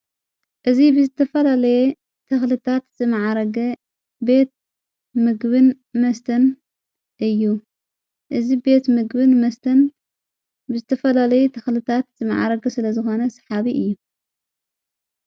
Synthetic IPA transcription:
ʔɨzibɨzɨt̪ʰɐfɐlalɐjɛ | t̪ʰɐxlɨt̪ʰat̪z̥ɨmaʕaɾɐɡ | be̞t̪̚ | mɨɡbɨn | mɐst̪ʰɐn | ʔɨjːu | ʔɨzibe̞t̪mɨɡbɨnmɐst̪ʰɐn | bɨzɨt̪ʰːɐfɐlalɐjut̪ʰɐxlɨt̪ʰat̪z̥ɨma̰ʕa̰ɾɐɡɐsɨlɐzɨxo̞nɐsɐ̥ħaβiʔɨjːu

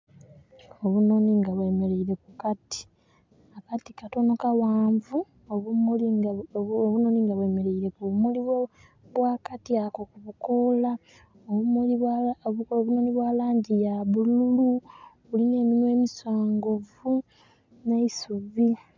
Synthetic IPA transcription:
oβunoniŋɡaβwe̞ːmeleiɾe̞kukati̥ | akatikato̞no̞kawaːɱvu | ol | oβuno̞ːniŋɡaβwe̞me̞ɾe̞iɾe̞kumuliβo | βwakatiakokuβukola | oβum | βuno̞ːniβwaːlaːɲɟijaβullulu | uline̞ːminwe̞ːmiswaːŋɡovu | neisuvi

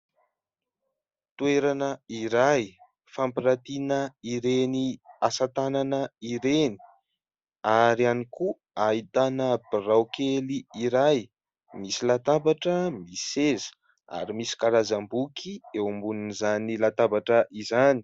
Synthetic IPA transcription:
t̪ueɾanəiɾaj | fampiɾat̪inəiɾeniasat̪ananəiɾeni̥ | aɾianiku | ait̪anəbirawkeliiɾaj | misilat̪abaʈ͡ʂəmisezə̥ | a̰ɾimisi̥kaɾazambukʰiewumbununizanilat̪abaʈ͡ʂəʔizani̥

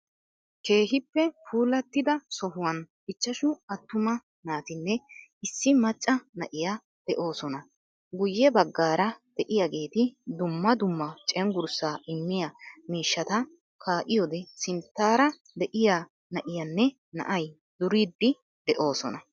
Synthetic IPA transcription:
ke̞ːɦɪpːɛfuːlɐt̪ːɪd̪ɐsɔɦʊwɐn | ɪt͡ʃːɐʃʊɐt̪ːʊmɐ | naːt̪ɪnːɛɪsːɪmɐt͡ʃʼːɐnɐʔɪja | d̪̥ɛʔo̞ːsɔnɐ | ɡʊjːɛbɐɡːaːɾɐd̪̥ɛʔɪjaɡe̞ːt̪ɪd̪ʊmːɐd̪ʊmːɐt͡ʃʼɛŋɡʊɾsaːɪmːɪjɐmiːʃːɐt̪ɐ | kaːʔɪjɔd̪ɛsɪnt̪ːaːɾɐ | d̪ɛʔɪja | nɐʔɪjɐnːɛ | nɐ̰ʔɐj | d̪ʊɾiːd̪ːɪ | d̪̥ɛʔo̞ːsɔ̰nɐ

